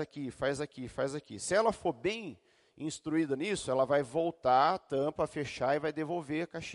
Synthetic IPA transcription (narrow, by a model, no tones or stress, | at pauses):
akifajzakifajzakḭsɪɛlɐfoɾbẽj̃ | ĩst̪ɾuid̪ɐnisʊɛlɐvajvowt̪at̪ɐ̃pɐfeʃaɪvajd̪evowveɾkaʃi